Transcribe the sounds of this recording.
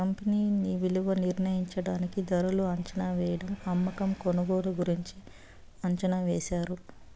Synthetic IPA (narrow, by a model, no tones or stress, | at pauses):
kɐmpiniːniʋiluʋɐniɾnɐjiɲt͡ʃɐɽaːnikid̪ɐɾuluɐɲt͡ʃɐnaːʋɛːjɐɽɐmɐmːɐkɐmkɔnɐɡoːɽuɡuɾiɲt͡ʃi | ɐɲt͡ʃɐnaʋeɛːʃaːɾu